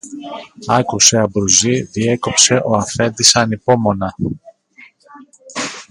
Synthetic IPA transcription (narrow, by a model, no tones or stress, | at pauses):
ɐkuse̞ɐbɾuziðie̞ko̞pse̞ʔo̞ɐfe̞nd̪isɐnipo̞mo̞nɐ